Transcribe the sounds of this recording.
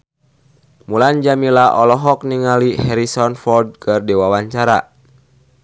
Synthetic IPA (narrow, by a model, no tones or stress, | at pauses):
muland͡ʒamilaʔɔlɔɦɔk̚niŋalihɛɾisɔnfɔrd̚kɨrdɛwawaɲt͡ʃaɾa̰